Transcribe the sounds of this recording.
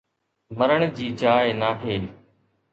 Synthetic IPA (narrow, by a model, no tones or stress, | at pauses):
məɾəɽ̃d͡ʑiːd͡ʑaːɪnaːɦʰeː